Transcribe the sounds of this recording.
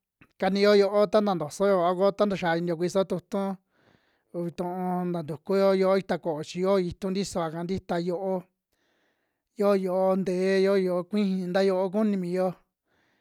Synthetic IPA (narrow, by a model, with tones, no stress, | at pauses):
ka˧nĩ˧jo˦jo˧ʔo˦t̪a˦nd̪a˧nd̪o˨so˦jo˧a˧ko˦˧t̪a˦nda˨ʃa˨˧i˧nĩ˧o˧kʷi˧so˦t̪u˧t̪ũ˦˧ | βi˧t̪ũ˧õ˧nd̪a˨nd̪u˨ku˦jo˦jo˧o˦i˦˧t̪a˧ko˨ʔo˨t͡ʃi˧jo˦˧i˧t̪ũ˦nd̪i˦so˧a˨ka˧˨˧nd̪i˦t̪a˧jo˧ʔo˦ | jo˦˧jo˧ʔo˧nd̪e˨˦jo˦˨jo˧˨o˧kʷĩ˦hĩ˧nd̪a˦jo˧ʔo˦k̬u˦nĩ˧mĩ˧jo˦